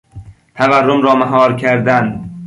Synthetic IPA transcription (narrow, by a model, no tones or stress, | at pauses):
t̪ʰæværːomɾɒːmæɦɒːɾkʰæɾd̪æn